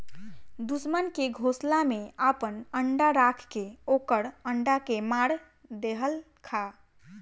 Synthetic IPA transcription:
d̪usmənkeɡʱoslameapənəɳɖaɾakʰkeokəɽəɳɖakemaɽ | d̪eɦəl | kʰa

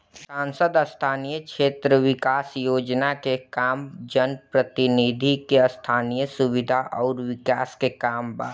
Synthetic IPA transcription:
sãːnsəd̪əst̪ʰaːnijəkʃeːt̪ɾəʋɪkaːsjoːd͡ʒnakekaːmd͡ʒənpɾət̪ɪnid̪ʱikeəst̪ʰaːnijəsʊwɪd̪ʱaʔɔːɾwɪkaːskekaːmba̰ː

